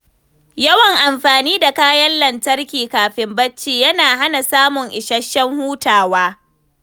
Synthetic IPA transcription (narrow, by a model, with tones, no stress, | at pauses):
jɐ˦wɐ˨ŋʔa˨mɸaː˨niː˦da˨kaː˦jɐ˦nlɐ˨ntɐ˦rkʲiː˨kaː˨ɸɪ˨mbɐ˦t͡ʃːiː˨jɐ˦naː˨ɦa˦na˨saː˦mʊ˨ŋʔɪ˨ʃɐ˦ʃːɐ˦ŋhuː˦taː˨waː˦